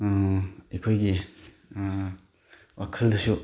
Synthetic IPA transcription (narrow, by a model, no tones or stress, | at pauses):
ekʰojɡi | wakʰəldɐsu